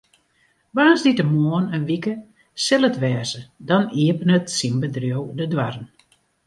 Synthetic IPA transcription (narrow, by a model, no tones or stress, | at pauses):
ʋaːnzditəmoənənʋikə | sɪlˠətʋɛːzədɔniəpənətsimbədrjowdədwarən